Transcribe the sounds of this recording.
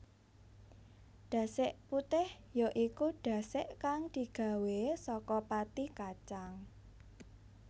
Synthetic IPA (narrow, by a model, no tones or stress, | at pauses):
ɖ̥ä̤sɪʔput̪ɪh | joʔikuɖ̥ä̤sɪʔkaŋd̪̥i̤ɡ̥a̤wesɔkɔpat̪ikat͡ʃaŋ